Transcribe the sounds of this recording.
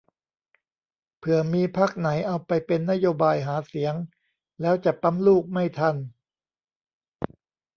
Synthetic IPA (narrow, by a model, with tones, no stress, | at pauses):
pʰɯ˨˩ɐmiː˧pʰaː˥˩k̚na˩˦jʔa˧wpa˧jpe˧nːa˦˥joː˧baː˧jɦaː˩˦si˩˦əŋ | lɛː˦˥wt͡ɕa˨˩pa˦˥mluː˥˩k̚ma˥˩jt̪ʰa˧n